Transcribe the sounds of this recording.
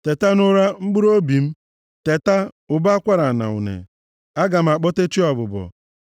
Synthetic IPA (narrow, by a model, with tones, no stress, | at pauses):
te˨ta˦nʊ˦ɾa˦ŋ͡m̩˦ɡ͡bu˦ɾo˦bi˨m̩˦ | te˨ta˦ | ʊ˨ba˦a˦kʷa˦ɾa˨na̰˨ʊ̰˨nḛ˨ | a˦ɡa˨m̩˦a˨k͡pɔ˦te˦t͡ʃi˦ɔ˨bʊ˨bɔ̰˨